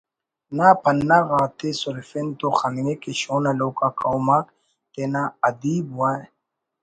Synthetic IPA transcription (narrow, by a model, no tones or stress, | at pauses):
naːpɐnːaɣaːt̪esʊɾfent̪oxɐnnekeɕoːnaloːkaːkawmaːk | t̪eːnaːɐd̪iːbuaːe